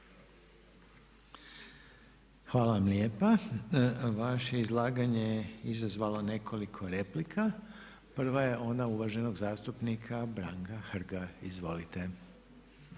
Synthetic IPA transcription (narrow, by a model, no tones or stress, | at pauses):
xʋaːlaʋamlje̞ːpa | ʋaʃe̞izlˠaːɡaɲejizazʋalone̞kʰo̞likʰo̞ɾe̞plikʰa | pr̩ʋaje̞ʔo̞nauʋaʒe̞no̞ɡzaːst̪upnikʰabɾaŋkaxr̩ɡaizʋo̞lit̪e